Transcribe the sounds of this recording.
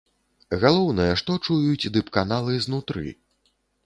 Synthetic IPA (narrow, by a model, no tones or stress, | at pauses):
ɣalˠɔwnɐjɐʂt̪ɔt͡ʂujut͡sʲd̪ɨpkanalˠɨznut̪ɾɨ̰